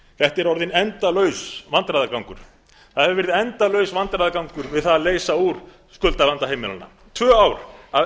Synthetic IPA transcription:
θɛht̪ɛɾɔɾðɪnɛnt̪alœːɥsvant̪ɾaðakawŋkʏɾ̥ | θahɛvɪvɛɾðɪɛnt̪alœɥsvant̪ɾajðakawŋkʏɾvɪðθaðleːjsauɾ̥ | skʏlt̪alant̪aɦejmɪlanːa̰ | t̪ʰvœːaːwɾa

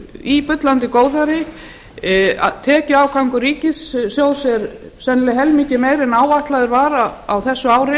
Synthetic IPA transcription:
ipʏt̪lant̪ɪkoːwðaɾɪ | a̰ðt̪ʰɛːcʏawkʰawŋkʏɾiːcɪsːjoːwsɛɾ | sɛnlɪɦɛlmiːcɪmeːjɾɪnaːwaht̪laðʏɾvaɾaawθɛsːʏaːwɾɪ

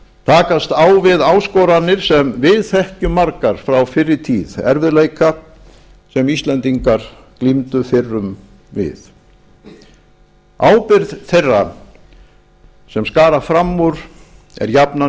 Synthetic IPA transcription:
t̪ʰaːkast̪aːwvɪðaːwskɔɾanːɪɾ̥sɛmvɪðθɛhcʏmːaɾkaɾ̥fɾawfɪrːɪɾt̪ʰiːðɛ̰ɾvʏðleːjka | sɛmist̪lɛnt̪iŋkaɾ̥ | klimt̪ʏfɪrːʏm | vɪ̰ð | aːwpɪɾðθejrːa | sɛmskaːɾafɾamːʊɾ | ɛ̰ɾjapna

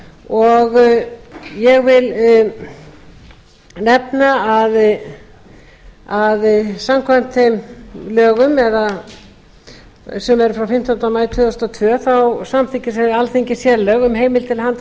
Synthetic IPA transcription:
ɔɣ | jɛɣvɪl | nɛpnaað | aðsamkʰvam̥t̪θejmlœːɣʏmɛða | sɛmɛɾʏfɾawfɪm̥t̪ɔnt̪amaːjɾt̪ʰʏðɔst̪ɔt̪ʰvœːθawsamθɪɲcɪsɛalθiɲcɪsjɛlœːɣʏmɦeːjmɪlt̪ʰɪlhan

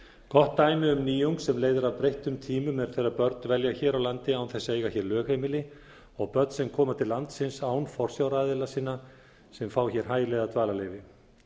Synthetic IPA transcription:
kʰɔht̪ːaːjmɪʏmniːjuwŋksɛmleːjðʏɾavpɾejht̪ʏmt̪ʰiːmʏmɛðɾ̥θejɾaɾpœɾt̪nvɛljaçɛːɾawlant̪ɪaːwnθɛsːaeːjɣaçɛɾlœːxhejmɪlɪ | ɔɣpœɾt̪sɛmkʰɔːmat̪ʰɪlːant̪sɪnsaːwnfɔr̥sjawɾaːðɪlasiːnːa | sɛmfaːwçɛɾ̥ɦaːjɪlɛɣðat̪ʰvaːlaleːjvɪ

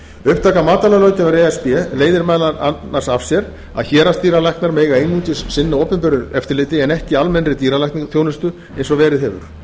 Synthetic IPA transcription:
ʏhp̚t̪ʰaːkamaːt̪alalœɥt̪ɪvaɾɛɛspɛleːjðɪɾmaːlaanːar̥sav̥sjɛɾ | a̰ðçɛːɾast̪iːɾalajhknaɾmeːjɣaejnuːt̪ɪsːɪnːaoːpɪmpœɾʏɾɛft̪ɪɾlɪːt̪ɪɛnɛhcɪalmɛnrɾɪt̪iːɾalajknɪŋθjownɪst̪ʏ | ejnsɔvɛːɾɪðɦɛvʏ̰ɾ̥

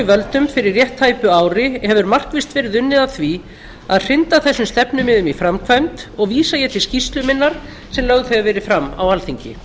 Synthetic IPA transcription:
ɪvœlt̪ʏmfɪɾɪrːjɛht̪haːjpʏaːwɾɪhɛvʏɾmar̥kvɪst̪vɛːɾɪðʏnːɪðaθvi | aðr̥ɪnt̪aθɛsːʏmst̪ɛpnʏmɪðʏmifɾamkʰvajmt̪ɔɣviːsajɛt̪ʰɪlscist̪lʏmɪnːaɾ̥ | sɛmlœɣðθɛɣavɛːɾɪfɾamːa̰walθiɲcɪ̰

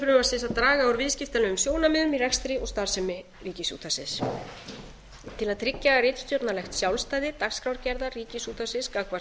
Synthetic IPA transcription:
fɾʏmḁsɪsaðt̪ɾaːɣaɔwɾvɪðscɪft̪alɛːɣʏmsjoːwnamɪːðʏmirɛkst̪ɾɪɔɣst̪aɾ̥sɛmɪ | riːcɪsṵːt̪ʰasɪs | t̪ʰɪlaðt̪ʰɾɪcːarɪːt̪st̪jɔt̪nalɛxt̪sjawlst̪ajðɪt̪akskɾawɾcɛɾðariːcɪsuːt̪ʰasɪskakva

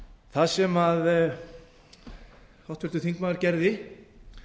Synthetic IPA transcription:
θaðsɛmað | hɔwht̪fvɛɾt̪ʏθiŋkmaːɣaɾcɛɾðɪ

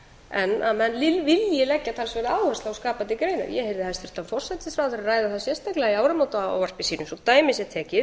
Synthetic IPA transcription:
ɛnːamɛnlɪlvɪljɪlɛcːat̪ʰalsvɛːɾaːwhœst̪laawskaːpant̪ːɪkɾeːjna̰ɾjɛ̰hejvðɪhɛst̪ʏɾ̥t̪anfɔr̥sɛt̪ːɪsfɾaːwθʏɾaɾraːjðaθaðsjɛ̥st̪ajklɛɣaiaːwɾamawt̪aa̰wvar̥pɪsiːnʏsɔt̪aːjmɪsjɛt̪ʰɛːcɪ

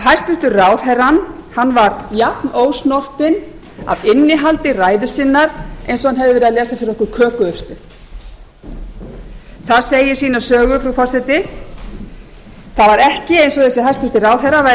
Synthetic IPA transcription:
ɦajst̪ʏhst̪ʏraːwθɛɾanhanːvaɾjapnoːwsnɔr̥t̪ɪn | a̰ðɪnːɪɦalt̪ɪraːjðʏsɪnːaɾ̥ejnsɔhanɦɛvðɪvɪɾðaðlɛːsafɪɾɪɾɔhkʏɾkʰœːkʏʏfst̪ʏht̪ | θaðseːjɪsiːnasœːɣʏfɾafɔr̥sɛt̪ɪ | θavaɾɛhcɪejnsɔθɛsɪɦajst̪ʏht̪ɪraːwθɛɾava

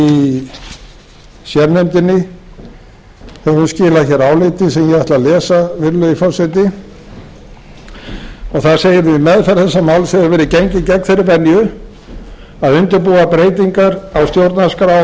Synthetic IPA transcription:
i | sjɛɾnɛmt̪ɪnːɪ | ɛhunscɪːlaçɛɾaːwlɪt̪ɪsɛmjɛɛht̪lalɛːsavɪɾlʏifɔsɛt̪ɪ | ɔɣθḁseːjɪɾðɪmɛðfɛɾθɛsːamawlsɛðʏɾvɛːɾɪceɲcɪcɛkn̥fejɾɪɾpɛnjʏ | aðʏnt̪ʏɾpuːapɾeːjt̪iŋkaɾawst̪jowɾt̪naskaɾa

